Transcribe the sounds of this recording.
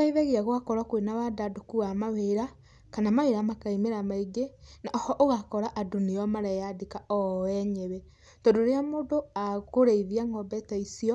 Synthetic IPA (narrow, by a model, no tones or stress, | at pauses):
aiðɛɣeaɣwakɔɾakwenawadadokuɣamaweɾa | kanamaweɾamakaimeɾamaiɡenaɔhɔʔoɣakɔɾaʔaduniɔmaɾɛjadekaɔɛɲɛβɛ | tɔdoɾeamoːdoakoɾeiðiaŋɔbɛtaisiɔ